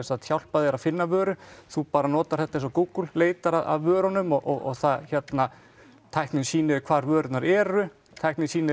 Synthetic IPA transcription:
saðt̪ʰçjawl̥paðɪɛɾaðfɪnːavœːɾʏθupaːɾanɔːt̪aɾ̥θɛht̪aẽnsɔkuːkʏlleːjt̪aɾaða̰ðvœːɾɔnʏmɔʔɔɣɔɣθaðçɛt̪na | t̪ʰajhknɪnsiːnɪɾɪkʰvaːɾvœːɾʏt̪naɾɛɾʏ | t̪ʰajhknɪnsiːnɪ

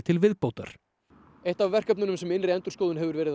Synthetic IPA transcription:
t̪ʰɪlvɪðpowt̪a̰ɾ̥ | eht̪avvɛr̥kœpnʏnʏmsɛmɪnrɪɛnt̪ʏɾ̥skowðʏnɦɛvʏɾvɛːɾɪð

